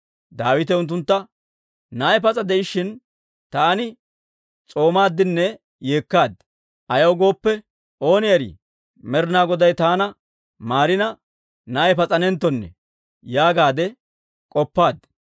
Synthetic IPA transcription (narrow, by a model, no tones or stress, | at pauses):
d̪aːwɪt̪ɛʊnt̪̬ːʊnt̪ːɐ | naːjɛpɐt͡sʼɐd̪ɛʔɪʃɪn | t̪aːnɪ | t͡sʼo̞ːmaːd̪ːɪnːɛ | jeːkːaːd̪ | ʔɐjɐwɡo̞ːpːɛ | ʔo̞ːnɪjɐɾɪ̰ | mɛɾɪnaːɡɔd̪ɐjt̪aːnɐ | maːɾɪnɐ | naːjɛpɐt͡sʼɐnɛnt̪ːɔnːɛ̰ | jaːɡaːd̪ɛ | kʼɔpːaːd̪